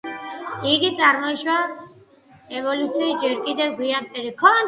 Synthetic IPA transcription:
iɡit̪sʼaɾmɔiʃwa | ɛvɔlut̪sʰiːsd͡ʒɛɾkʼid̪ɛvɡwiamt̪ʼɛɾikʰɔn

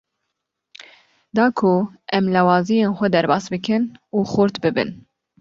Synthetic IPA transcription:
d̪ɑːkʰuʔɛmlɛwɑːzijeːnxʷɛd̪ɛɾbɑːsbɨkʰɨnuːxʊɾt̪bɨbɨ̰n

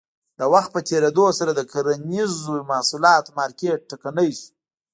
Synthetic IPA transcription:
d̪əwaxt̪̚pət̪ʰeɾed̪osaɾad̪əkaɾanizomɑhsulɑt̪mɑɾkeʈ̚ʈːakanəjʃu̥

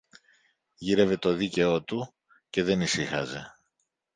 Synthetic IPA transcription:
ʝiɾe̞ve̞t̪o̞ðice̞o̞t̪u | ce̞ðe̞nisixɐ̰ze̞̰

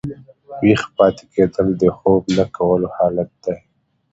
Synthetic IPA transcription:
wixpɑːt̪e̥kʰed̪əld̪əxoblakʰawəlohɑːlat̪̚d̪̥a

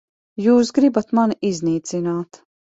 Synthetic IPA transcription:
juːsɡɾibat̪manizniːt̪sinaːt̪

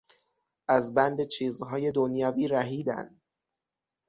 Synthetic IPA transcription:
ʔæzbænd̪et͡ʃʰiːzɦɒːje̞d̪onjɒːviːɾæɦiːd̪æ̰nd̪̥

